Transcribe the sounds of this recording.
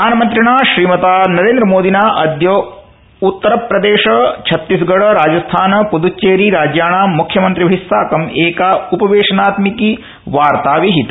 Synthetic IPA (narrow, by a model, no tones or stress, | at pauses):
aːnɐmɐnt̪ɾiɳaːʃɾiːmɐt̪aːnɐɾeːnd̪ɾɐmoːd̪inaːʔɐd̪jɐ | ut̪ːɐɾɐpɾɐd̪eːʃɐt͡ʃʰɐt̪ːisɡɐɽɐɾaːd͡ʒɐst̪ʰaːnɐpud̪ut͡ʃːeːɾiɾaːd͡ʒjaːɳaːmukʰjɐmɐnt̪ɾiʋɐɦisːaːkɐmeːkaupɐʋeːʂɐnaːt̪miki | ʋaːɾt̪aːʋiɦit̪